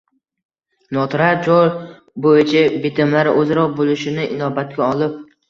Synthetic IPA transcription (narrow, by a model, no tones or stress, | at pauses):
nɒt̪ɾaɾd͡ʒɒɾ | bojɪt͡ʃʰabɪt̪ʰɪmlaɾɪʔɵzaɾɒqbolˠɪʃɪnɪʔɪnɒbat̪̚kʲaɒlɪp̚